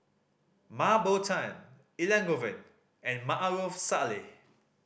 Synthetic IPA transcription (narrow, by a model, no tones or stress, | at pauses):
mabotʰãj̃n | ilɛ̃ŋɡovə̃n | ɛ̃nmaʔaɹofsale